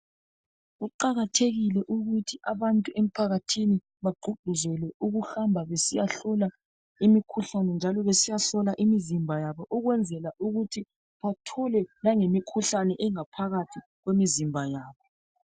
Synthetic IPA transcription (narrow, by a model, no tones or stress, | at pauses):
ɣuǃaɣatʰeɣilɛʔuɣutʰiʔaβantʼuʔem̩pʰaɣatʰini | βaɡ͡ǃʱuɡ͡ǃ̥ʱuzɛlɛʔuɣuxambʱaβesijaɬɔla | imikʰuɬanɛnd͡ʒʱalɔβesijaɬɔlaʔimizimbʱajaβɔʔuɣwɛnd͡zʱɛlaʔuɣutʰi | βatʰɔlɛlaŋemikʰuɬanɛʔɛŋapʰaɣatʰi | ɣwemizimbʱajaːβɔ